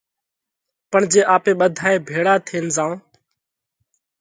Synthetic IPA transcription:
pəɳd͡ʒeːʔaːpeːɓəd̪ʱaːeːbʱeːɽaːt̪ʰeːnzãː

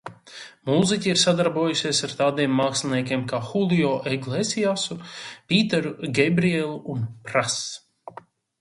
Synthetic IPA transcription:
muzicʲiiɾsad̪aɾbuɔjusʲeɛsaɾt̪aːd̪iɛmːaːkslʲˠiniɛkʲeːmkaːxulˠiɔːʔɛɡlˠɛsiasupʲiːt̪ɛɾuɡɛbɾiɛlˠuʔunpɾas

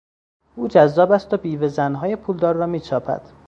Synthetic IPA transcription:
ʔuːd͡ʒæzːɒːbæst̪obiːvezænɦɒːjepʰuːld̪ɒːɾːɒːmiːt͡ʃʰɒːpʰæ̰d̪̥

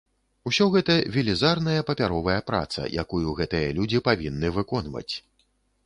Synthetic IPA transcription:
usʲɔɣɛt̪ɐvʲilʲizarnɐjɐpɐpʲaɾɔvɐjɐpɾa̰t̪sɐ̰jʔa̰kujuɣɛt̪ɨjɐlʲud͡zʲipavʲinːɨvɨkɔnvɐ̰t͡sʲ

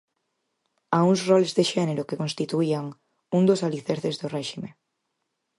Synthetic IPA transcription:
auŋsrɔlezðeʃɛneɾʊkekõnst̪it̪uiaŋ | uŋd̪ʊsaliθeɾθezðʊrɛʃime

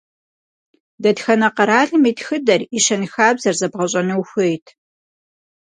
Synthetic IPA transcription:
dɐtxɐnɐqɐɾaːɮɨmiːtxɨdɐriʃɐnxaːbzɐrzɐbʁɐɕʼɐnɨwxʷɨjtʰ

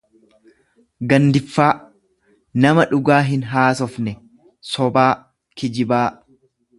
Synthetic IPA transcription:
ɡɐnd̪ɪfːaː | nɐmɐᶑʊɡaːɦɪnɦaːsɔfnɛ | sɔbaː | kɪd͡ʒɪbaː

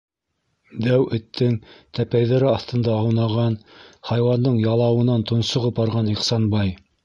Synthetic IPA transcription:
d̪æwɘ̆t̪ʰːɘŋt̪æpæjðæɾɘɑθt̪ɤ̆nd̪ɑɑwnɑʁɑnhɑjwɑnd̪ɤɴjɑlˠɑwɤ̆nɑnt̪ŏnsŏʁɤp̚bɑɾʁɑniqsɑnbɑj

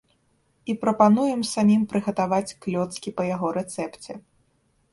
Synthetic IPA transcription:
ipɾɐpanujɛmsamʲimpɾɨɣɐt̪avat͡sʲklʲɔt̪skʲipɐjaɣɔɾɛt̪sɛpt͡sʲɛ

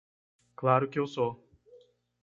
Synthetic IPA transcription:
klˠaːɾʲukʲɛʊsoː

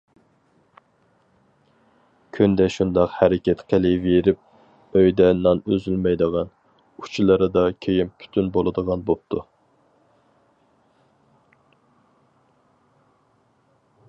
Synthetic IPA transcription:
kʲʰynd̪ɛʃund̪ɑqhæɾɪkʲɛt̪qʰəlɪveɾɪp̚ | øjd̪ɛnɑnøzylmɛjd̪əʁɑn | u̥t͡ʃʰilˠəɾɨd̪ɑkʲʰejimpʲʰy̥t̪ʰynbolˠɨd̪əʁɑnbop̚t̪ʰu

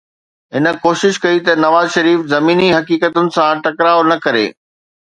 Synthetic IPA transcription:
ɦɪnə̆koːʃɪʃkɐit̪ɐnɐʋaːzʃɐɾiːfzɐmiːniɦɐkiːkət̪ʊnɪ̆sãʈɐkɾaːonɐkɐɾḛː

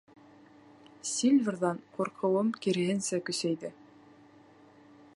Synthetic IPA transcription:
sʲilʲvʲrðɑɴquɾqʰɤ̆wɤmkiɾɘ̆ɦɘ̆nsækɵ̆sæjðɘ

